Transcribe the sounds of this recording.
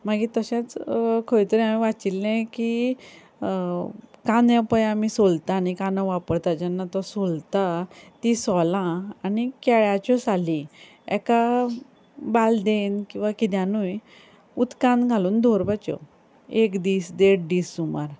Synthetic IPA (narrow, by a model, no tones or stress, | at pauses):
maɡit̪əɕãt͡skʰojt̪əɾĩamĩʋat͡silːɛ̃ki | kãnd̪jãpəjamisolt̪anikanəʋapəɽt̪ad͡ʑɛnːat̪ɔsolt̪at̪isɔlãːnikɛɭjat͡ɕɔsali | ɛ̰ka | bald̪enkĩw̃ʋakit̪̬jãnuj | ut̪kãnd̪ɡʱaluːnd̪ʱoɾbat͡ɕɔ̰ | ekd̪iːsd̪eʈ̚ɖiːsːumaɾ